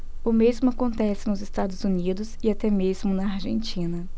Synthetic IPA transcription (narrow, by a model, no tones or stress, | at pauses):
ʊmezmʊakõnt̪ɛsɪnʊzɪst̪ad̪ʊzunid̪ʊzɪat̪ɛmezmʊnɐaɾʒḛ̃nt͡ʃĩnɐ